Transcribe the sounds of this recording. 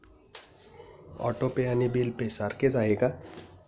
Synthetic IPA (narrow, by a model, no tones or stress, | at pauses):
ɔ̰ʈopejanibilpesaɾked͡ʒaeɡa